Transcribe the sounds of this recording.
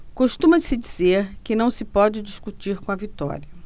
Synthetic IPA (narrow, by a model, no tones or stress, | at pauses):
koʃt̪ũmɐsɪd͡ʒizeɾkɪnɐ̃w̃sɪpɔd͡ʒɪd͡ʒiʃkut͡ʃiɾkõɐvit̪ɔ̰ɾiɐ